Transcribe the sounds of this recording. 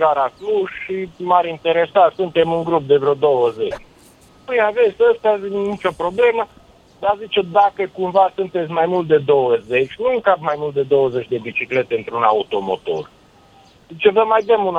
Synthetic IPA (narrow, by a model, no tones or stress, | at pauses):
ɡaɾasluʃʃimaɾint̪e̞ɾesat̪sunt̪e̞muŋɡɾup̚d̪e̞vɾod̪o̞wəzet͡ʃʲ | ujave̞t̪sʲəst̪azinit͡ʃo̞pɾo̞ble̞mə | d̪azit͡ʃed̪akəkumvasunt̪e̞t̪sʲmajmult̪̚d̪e̞d̪o̞wəze̞t͡ʃʲnuuŋkap̚majmult̪̚d̪e̞d̪o̞wəze̞t͡ʃʲd̪e̞bit͡ʃikle̞t̪eɨnt̪ɾunaut̪o̞mo̞̰t̪o̞̰r | zit͡ʃevəmajd̪əmun